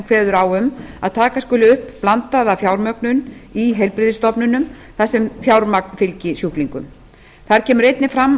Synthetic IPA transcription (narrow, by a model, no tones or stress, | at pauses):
kʰvɛːðʏɾawʏma̰ðt̪ʰaːkaskʏːlɪʏhpplant̪aðafjawɾmœknʏniɦɛjlpɾɪðɪst̪ɔpnʏnʏm | θasɛmfjawɾmaknfɪlcɪsjuhkliŋkʏm | θaɾ̥cʰɛːmʏɾejt̪nɪfɾamː